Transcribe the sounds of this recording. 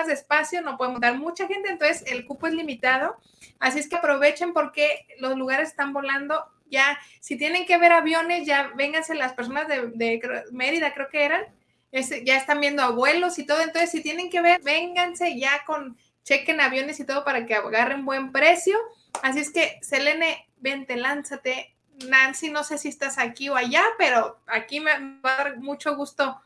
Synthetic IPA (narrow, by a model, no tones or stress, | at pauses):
zðespasjo̞no̞pweðemot̪aɾmut͡ʃaxe̞nt̪ent̪onsese̞lkupoe̞zlimit̪að̞o̞ | asie̞skeapɾo̞βe̞t͡ʃe̞mpo̞ɾkelo̞zluɣaɾe̞sest̪ambo̞land̪o̞ | ʝa | sit̪je̞ne̞ŋke̞βe̞ɾaβjo̞ne̞zʝaβe̞ŋɡanse̞laspeɾso̞nazðeðekme̞ɾiðakɾe̞okeeɾan | eseʝaest̪anmbje̞nd̪o̞aβwe̞lo̞sit̪oðont̪onsesit̪je̞ne̞ŋke̞βe̞ɾbe̞ŋɡanse̞ʝako̞n | t͡ʃe̞ke̞naβjo̞ne̞sit̪o̞ð̞o̞paɾakeaɣare̞mbwe̞mpɾe̞sjo̞ | as̬ie̞ske̞sele̞ne | be̞nt̪e̞lansat̪e̞ | nansino̞se̞siest̪asakio̞aʝape̞ɾo̞akimemeβaðaɾmut͡ʃo̞ɣust̪o̞